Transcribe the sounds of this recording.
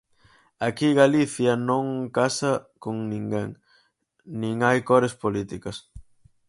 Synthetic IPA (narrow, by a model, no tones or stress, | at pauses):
akiɣaliθjɐnõŋkasɐkoŋnĩŋɡeŋ | nĩŋajkɔɾespolit̪ikɐs